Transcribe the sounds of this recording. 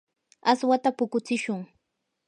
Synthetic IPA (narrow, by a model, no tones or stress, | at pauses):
aswat̪apʊkʊt͡sɪʃʊŋ